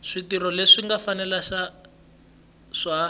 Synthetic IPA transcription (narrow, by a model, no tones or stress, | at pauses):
ʂitiɾɔleʂiŋɡafanɛlaʃa | ʂa